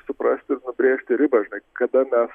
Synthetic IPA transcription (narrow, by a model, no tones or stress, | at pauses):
sʊpɾɐsʲt̪ʲɪɾnʊbʲɾʲeːʃʲt̪ʲɪɾʲɪbɐʒʲɪnɐɪkɐd̪ɐmʲɛs